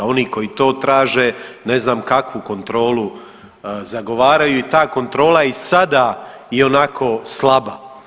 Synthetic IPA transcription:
o̞niːko̞jit̪o̞ːt̪ɾaːʒeneznaːmkakʋuko̞nt̪ɾo̞ːlu | zaɡo̞ʋaːɾajuit̪aːko̞nt̪ɾo̞ːlˠaisad̪a | iɛo̞nakʰo̞slˠaba

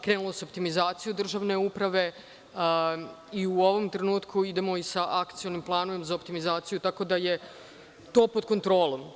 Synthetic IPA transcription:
kɾenulˠo̞seop̚t̪imizaːt̪sijud̪r̩ʒaːʋne̞upɾaʋe̞ | iuo̞ʋo̞mt̪ɾe̞nuːt̪kʰuid̪e̞mo̞isaʔakt̪sio̞nimplˠaːnoʋemzaopt̪imizaːt̪sijut̪ako̞d̪aje̞ | t̪o̞ːpod̪̚ko̞nt̪ɾo̞ːlˠom

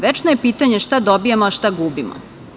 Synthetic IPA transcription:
ʋet͡ʃnojepiːt̪aɲe̞ʃt̪ad̪obijemoaʃt̪aɡubimo̰

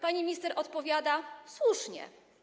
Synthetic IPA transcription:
paɲimʲist̪ɛɾʔɔt̪pɔvʲjad̪aswuʂɲɛ̰

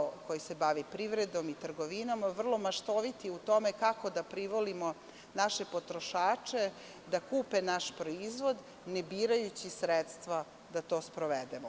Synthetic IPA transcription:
kojisebaʋipɾiʋɾed̪o̞mit̪r̩ɡoʋinamaʋr̩lˠo̞maʃt̪o̞ʋit̪iut̪o̞mekako̞d̪apɾiʋo̞limo̞ | naʃepo̞t̪ɾo̞ʃaːt͡ʃe̞ | d̪akuːpenaʃpɾoizʋo̞d̪ | nebiːɾajut͡ɕisɾet̪st̪ʋa | d̪at̪o̞ːspɾoʋed̪emo

